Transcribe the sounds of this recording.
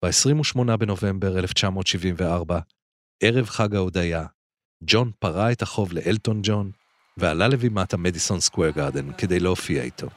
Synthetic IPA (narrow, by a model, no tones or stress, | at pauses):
b̥eesʁimuʃmo̞nabe̞no̞ve̞mbe̞ʁeleft͡ʃamo̞ːtʃivimveaʁba | e̞ʁe̞vχaɡaod̪aja | d͡ʒo̞npaʁaetaχo̞vleʔelto̞nd͡ʒo̞n | vealalevimatamediso̞nskweʁɡaʁd̪enked̪ejleofia̰ḭtʰo̞̰